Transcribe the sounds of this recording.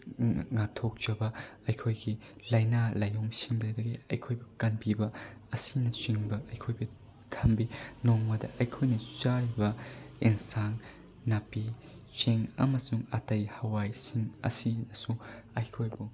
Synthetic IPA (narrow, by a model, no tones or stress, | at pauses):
ŋatʰok̚t͡ʃɐbɐɐjkʰojɡilajnalajoŋsiŋdɐdɐɡiɐ̰jkʰojbukɐnpibɐɐsinɐt͡ʃiŋbɐʔɐjkʰojbu | tʰɐmbinoŋmɐdɐʔɐjkʰojnɐt͡ʃaɾibɐeŋsaŋ | napi | t͡ʃeŋɐ̰mɐsuŋɐtɐjhɐwajsiŋɐ̰sinɐsuɐjkʰojbu